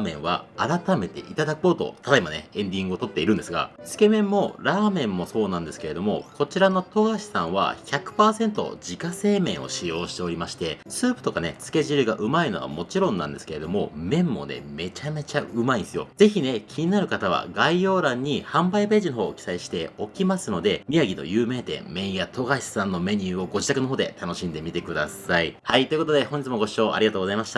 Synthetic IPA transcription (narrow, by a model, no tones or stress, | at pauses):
mẽ̞̰ɰ̃βa̰ːɾat̪ame̞t̪e̞̰ʔit̪ad̪akɯoːt̪o̞̰t̪ʰatd̪aimaneẽ̞nd̪ʲĩŋɡɯ̟ot̪o̞t̪ːe̞iɾɯ̟̃nd̪e̞sɨɡa̰sɨ̥ke̞mẽ̞mːo̞ɾaːmẽ̞mːo̞so̞ːnãnd̪e̞sɨ̥ke̞ɾe̞d̪o̞mo̞̰ko̞t͡ɕiɾano̞t̪o̞ɡaɕi̥sãɰ̃β̞a̰çakɯ̟̥paːsẽ̞nt̪o̞̰d͡ʑikase̞ːmẽ̞ɰ̃o̞̰ɕijo̞ːɕi̥t̪e̞o̞ɾʲimaɕi̥t̪e̞sɨːpɯ̟t̪o̞kane̞t͡sɨ̥ke̞ʑiɾɯ̟ɡaʔɯ̟maino̞βa̰mo̞t͡ɕiɾõ̞nːã̰nd̪e̞sɨ̥ke̞ɾe̞d̪o̞mo̞̰mẽ̞mːo̞̰ne̞̰me̞t͡ɕame̞t͡ɕaɯ̟maiesɨjo̞̰ze̞çine̞kʲʰiɲ̟inaɾɯ̟kat̪aβ̞a̰ɡaijo̞ːɾãɲ̟ːihãmbaibe̞ːʑino̞ɦo̞ːkʲi̥saiɕi̥t̪e̞o̞kʲimasɨno̞d̪e̞mʲiaɡʲit̪o̞̰jɯːme̞ːd̪e̞̰mẽ̞ɰ̃jat̪ʰo̞ɡaissãnːo̞me̞ɲ̟ɯːo̞ɡo̞ʑit̪akɯnoɦoːd̪e̞̰t̪ano̞ɕĩnd̪e̞mʲit̪e̞kɯ̟d̪asaihait̪oi̟kot̪od̪e̞hõ̞ɲ̟d͡ʑit͡sɨmo̞ɡo̞ɕi̥o̞ːʔa̰ɾʲiɡat̪oːɡo̞zaimaɕi̥t̪a